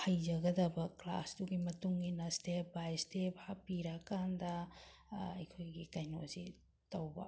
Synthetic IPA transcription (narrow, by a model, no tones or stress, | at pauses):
hɐjd͡ʒɐɡɐdɐbɐkla̰sduɡimɐtuŋɡinɐstep̚bajstep̚ʰhapiɾakandɐ | ɐ̰jkʰojɡikajno̰si | tɐwbɐ̰